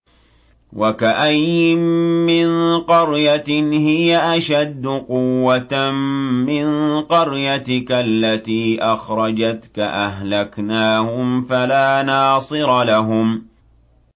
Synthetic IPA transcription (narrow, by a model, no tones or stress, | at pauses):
wakaʔajːɪːɪnqɑɾjathɪjaʔaʃad̪ːʊqʊwːat̪ː | ɪnqɑɾjat̪ɪkalːat̪iːʔɑxɾˤɑd͡ʒat̪kaʔaɦlaknaːhʊmfalaːnɑːsˤɨɾɑlaɦʊm